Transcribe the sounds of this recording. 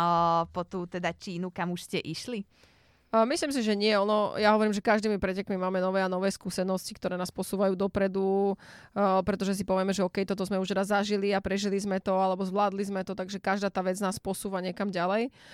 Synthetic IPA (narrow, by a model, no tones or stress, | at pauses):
pɔt̪uːt̪ɛd̪at͡ʃiːnukamuʃscɛʔiʃli | misliːms̬iʒɛɲɪɛɔnɔjaɦɔʋɔɾiːmʒɛkaʒd̪iːmipɾɛcɛkmimaːmɛnɔʋɛːanɔʋɛːskusɛnɔscik̚t̪ɔɾɛːnaːspɔsuːʋajuːd̪ɔpɾɛd̪u | pɾɛt̪ɔʒɛs̬ipɔʋɪɛmɛʒɛɔːkɛjt̪ɔt̪̬ɔzmɛuʃt̪ɛd̪azːaʒiliapɾɛʒilizmɛt̪ɔalɛbɔzʋlaːd̪lizmɛt̪ɔt̪aɡʒɛkaʒd̪aːt̪aːʋɛd͡znaːspɔsuːʋaɲɪɛkamɟalɛj